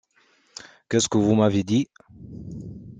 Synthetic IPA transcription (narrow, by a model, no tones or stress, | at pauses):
kɛskəvumavjed̪i